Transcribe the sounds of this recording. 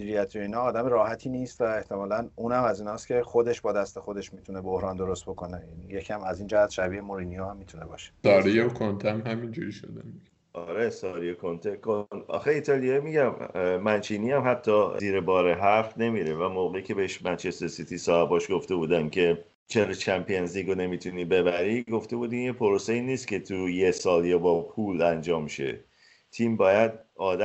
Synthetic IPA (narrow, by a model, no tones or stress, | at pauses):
iɾiæt̪ʰjoiːnɒːd̪æmeɾɒːhæt̪ʰiːniːst̪væeht̪ʰe̞mɒːlænuːnhæmæziːnɒːst̪cʲʰe̞xo̞d̪e̞ʃbɒːd̪æst̪e̞xo̞d̪e̞ʃmiːt̪ʰune̞bo̞hɾɒːnd̪o̞ɾost̪̚bo̞ko̞nejænijecʰæmæziːnd͡ʒæɦæt̪ʃæbiːemoɾiːnijohæmːiːt̪ʰune̞bɒːʃe̥sɒːɾijekʰont̪ʰænɦæmind͡ʒuɾiʃo̰d̪æ̰mi | ʔɒɾesɒːɾijekʰont̪ʰekʰonɒ̰ːxeiːt̪ʰɒːlijɒimiɟæmːænt͡ʃʰiːniːæmhæt̪ʰːɒːziːɾebɒːɾeɦæɾfne̞miːɾevæmoːɣeicʲʰe̞beheʃmænt͡ʃʰesesit̪ʰisɒːhebɒːʃɡo̞ft̪e̞buːd̪æncʰe̞ | t͡ʃʰeɾet͡ʃʰæmpʰienzliːɡone̞miːt̪ʰuniːbe̞bæɾiɡo̞ft̪e̞buːd̪iːnjepʰoɾoseiːniːst̪cʰʲe̞t̪ʰujesɒːljɒːbɒːpʰuːlænd͡ʒɒːmʃḛ | t̪ʰiːmbɒːjæd̪̚ɒːd̪æ